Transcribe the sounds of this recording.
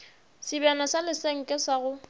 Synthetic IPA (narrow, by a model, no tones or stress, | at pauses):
sɪbanasalɪseŋ̩kʼɪsaɣʊ